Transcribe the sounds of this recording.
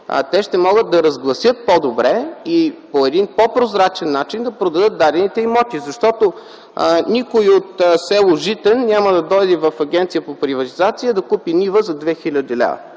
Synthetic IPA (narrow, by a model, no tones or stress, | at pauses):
t̪ɛʃt̪ɛmɔɡətd̪̚d̪ɐɾɐzɡlˠɐsjɤt̪̚pod̪obɾɛipoɛd̪inpopɾozɾat͡ʃɛnːat͡ʃind̪ɐpɾod̪ɐd̪ɤt̪̚d̪ad̪ɛnit̪ɛimɔt̪izɐʃt̪ɔt̪o | nikojot̪sɛlˠoʒit̪ɛnnʲaməd̪ɐd̪ɔjd̪ɛvɐfɐɡʲɛnt̪sijəpopɾivɐt̪izat̪sijəd̪ɐkupinivəzɐd̪vɛxilʲəd̪ilʲa̰və̰